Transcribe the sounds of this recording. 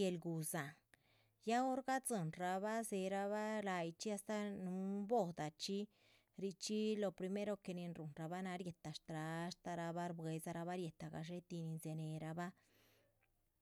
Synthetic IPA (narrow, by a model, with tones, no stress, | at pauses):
e˧lɡu˨za˨ŋ | ja˦o˦ɾɡa˦zɨ˨nɾa˧βa˦ze˧ɾa˧βa˦la˧jt͡ʃi˦a˧st̪a˦nu˧˦mbo˦˨d̪a˨t͡ʃi˦ | ɾi˧t͡ʃi˦lo˧pɾi˧me˦ɾo˧ke˧ni˧nɾu˨nɾa˧ba˦na˧ɾje˨t̪a˨ʂt̪ɾa˧˦ʃt̪a˧ɾa˧ba˦ɾbwe˧za˧ɾa˧βa˦ɾje˨t̪a˧˨ɡa̰˨ʃ̬e˦t̪i˧ni˧nze˧ne˨ɾa˧ba˦